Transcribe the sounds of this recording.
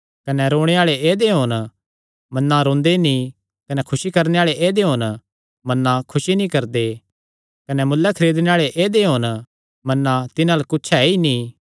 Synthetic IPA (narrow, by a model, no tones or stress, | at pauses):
kɐnɛɾoːɽ̃eaːɭeeːd̪eɦon | mɐnːãɾõːnd̪enĩ | kɐnɛkʰʊsikɐɾneaːɭeʔeːd̪eɦon | mɐnːãkʰʊʃinĩkɐɾd̪e | kɐnɛmʊlːɛkʰɐɾeːd̪neaːɭeʔeːd̪eɦon | mɐnːãt̪ɪnãlkʊtːt͡ʃʰainĩ